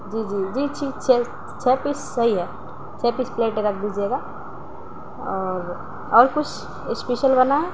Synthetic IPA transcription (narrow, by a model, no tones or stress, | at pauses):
d͡ʒiːd͡ʒiːd͡ʒiːt͡ʃʰikt͡ʃʰɛ | t͡ʃʰɛːpissɐɦiɦɛ | t͡ʃʰɛːpispleːʈeɾɐk̚ʰd̪id͡ʒeːɡa | ɔːɾ | ɔːɾkʊt͡ʃʰ | speʃəlbɐnaɦɛ